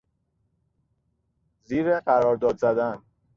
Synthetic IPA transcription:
ziːɾeɢæɾɒːɾd̪ɒːd̪zæd̪æn

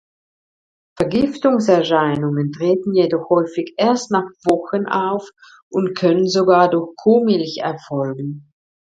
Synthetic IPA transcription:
fɛɐɡɪftʊŋsɛɐʃaɪnʊŋəntʁ̥eːtn̩jedɔχhɔʏfɪçʔeːɐstnaχv̥ɔxənʔa̰ʊf | ʔʊntkʰœnənzoɡaːɐdʊɐxkʰoːmɪlçɛɐfɔlɡŋ̩

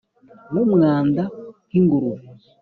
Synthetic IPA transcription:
mumŋaːndakiŋɡuɾu

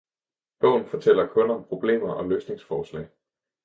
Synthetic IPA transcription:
b̥ɔ̰̽ʊ̰n̩fɒ̽t͡sʰel̰ɐkʰɔ̽nɒ̽mpʰʁo̝b̥le̝̰ːmɐʔɒ̽løːsne̝ŋsfɒːslɛ̰ɪ

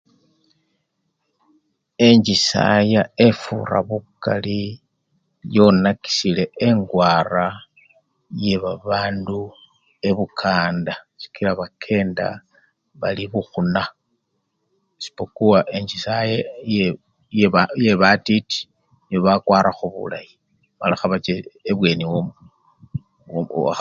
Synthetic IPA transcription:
e̞ɲd͡ʒisa̰jae̞fṵra̰βuka̰li | jo̞naki̥sile̞eŋɡwara | je̞βaβaːndu | e̞βukʰaːnda | si̥kilaβakʰe̞ːnda̰ | βa̰liβuxuna | si̥pokuwaʔe̞ɲd͡ʒisajeje | jeβajeβatiti̥ | niβoβakwaːɾaxuβṵlaji | ma̰laxaβat͡ʃeeβwe̞niwo

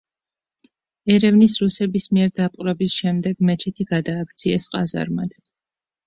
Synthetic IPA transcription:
ɛɾɛvnisɾusɛbismiɛɾd̪apʼqʼɾɔbisʃɛmd̪ɛɡmɛt͡ʃʰɛt̪ʰiɡad̪aːkʰt̪sʰiɛsqʼaza̰ɾmad̪̥

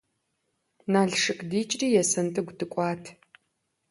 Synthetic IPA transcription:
naːɮʂɨkʼdiːt͡ʃʼriːjɛsɐntʼɨɡʷdɨkʷʼaːtʰ

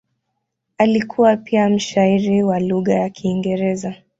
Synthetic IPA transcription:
alikʰuwapiam̩ʃaiɾiwaluɣajakʰiːŋɡɛɾɛza

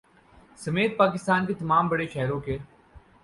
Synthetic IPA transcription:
sɐmeːt̪̚paːkɪst̪aːnket̪ɐmaːmbɐɽeʃɛɦɾõke

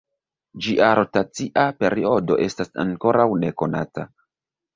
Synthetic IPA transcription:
d͡ʒiʔaɾo̞tat͡siʔape̞ɾio̞do̞ʔe̞stasa̰ŋko̞ɾawne̞ko̞nata

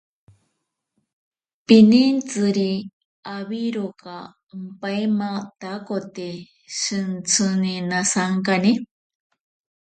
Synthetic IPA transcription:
pinint͡sɨɾi | aβiɾoka | mpaemat̪akot̪e | ʃɨnt͡sʰɨninasaŋkani

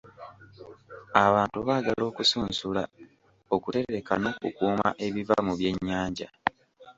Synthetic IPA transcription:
aβaːntuβaːɡalo̞ːkusuːnsula | o̞kute̞ɾe̞ka̰no̞kukuːma̰ʔe̞βiva̰muβje̞ɲːaːɲɟa̰

